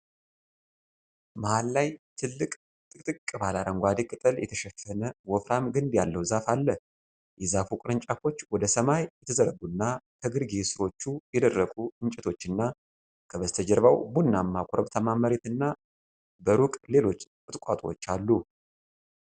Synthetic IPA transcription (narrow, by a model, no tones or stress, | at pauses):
məhalːajt̪ʰɨlːɨkʼ | t̪ʼɨkʼt̪ʼɨkʼːɨbalad̪əŋɡʷad̪ikʼɨt̪ʼɨljɛ̰t̪ʰəʃɛfənəwɔfɾamɡɨnd̪jalːəwzafalːəh | jɛzafukʼɾɨnt͡ʃʼafo̞t͡ʃːwɔd̪əsəmajjɛt̪ʰəzəɾəɡunːak̪ʰəɡɨɾɡesɨɾo̞t͡ʃːujɛd̪ərːəkʼuɨnt͡ʃʼɛt̪ʰo̞t͡ʃːɨnːa | kʰəβəst̪ʰəd͡ʒɛɾβawbunːamːakʰʼoɾəbt̪ʰəmaməɾet̪ɨnːa | bəɾukʼle̞lo̞t͡ʃːkʼɨt̪ʼkʷʼa̰t̪ʼwo̰t͡ʃːalːu